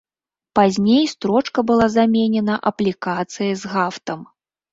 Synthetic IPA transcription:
pazʲnʲejst̪ɾɔt͡ʂkɐbɨlˠazamʲɛnʲɛnɐʔɐplʲikat̪sɨjɐzɣaft̪ɐm

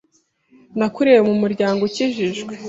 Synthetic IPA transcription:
nakuɾewemumuɾɟaːŋɡociʒiʒɡwe

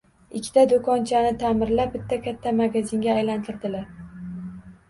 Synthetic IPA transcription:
ɪkʲʰːɪ̥t̪ʰad̪okʰɒnt͡ʃʰanɪt̪ʰamɪɾlabɪt̪ʰːakʲʰat̪ʰːamaɡʲazɪŋɡʲaːjlant̪ʰɪɾd̪ɪlaɾ

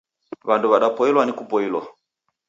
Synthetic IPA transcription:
βanduβaɗapɔilwanikupɔilwa̰

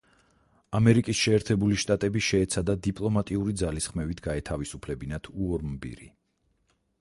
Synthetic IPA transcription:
amɛɾikʼisʃɛːɾt̪ʰɛbuliʃt̪ʼat̪ʼɛbiʃɛːt̪sʰad̪ad̪ipʼlˠɔmat̪ʼiuɾid̪zalisχmɛvit̪ʰɡaɛt̪ʰavisupʰlɛbinat̪ʰuɔɾmbḭɾḭ

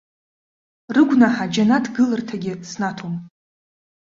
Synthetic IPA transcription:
rɨɡʷnaħad͡ʒanadɡɨlɨrtʰaɡʲɪsnatʰom

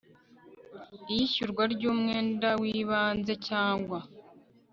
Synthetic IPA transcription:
ijiʃuɾɡwaɾɟuːmŋe̞ːndawiːβaːnze̞caːŋɡwa

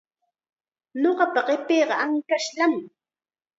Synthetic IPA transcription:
noɢɑpaɢɪpeːɢɑaŋkaʃlam

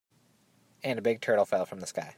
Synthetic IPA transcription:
ɨ̃nɨbɪɡ̚tʰɜ˞ɾl̩ˠfɛlˠfɹʌ̃mðəskaɪ

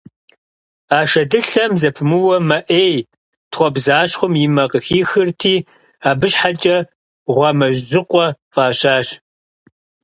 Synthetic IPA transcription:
aːʃɐdɨɬɐmzɐpʰmɨwɐmɐʔeːj | tʰχʷɔbzaːɕχʷʊmjɪmɐqəxiːxɨrtʰiː | aːbɨʃħat͡ʃʼɐ | ʁʷɐmɐʒʒɪqʷʼɔfʼaːɕaːɕ

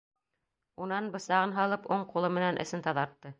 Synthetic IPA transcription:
unɑnbɤ̆sɑʁɤnɦɑlˠɤpuɴqulˠɤmɘ̆nænʔɘ̰̆sɘnt̪ɑðɑɾt̪ːɤ

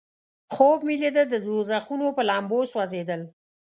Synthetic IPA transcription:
xob̚miled̪əd̪əzozaxunopəlɑmboswazed̪əl

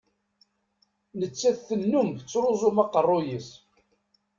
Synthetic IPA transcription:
nət͡sːæθθənːumθt͡sːɾʊzˤʊmɑqərˤːojis

